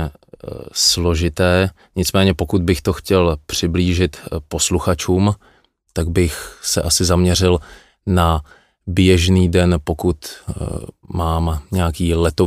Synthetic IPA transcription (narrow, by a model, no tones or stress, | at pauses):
slo̞ʒɪt̪ɛː | ɲɪt͡smɛːɲɛpo̞kud̪̚bɪxt̪oxcɛlpr̝̥ɪbliːʒɪt̪po̞sluxat͡ʃuːm | t̪aɡ̚bɪxsɛ̰ʔasɪzamɲɛr̝ɪl | na | bjɛʒniːdɛnpo̞kut̪ | maːmɲɛakiːlɛt̪o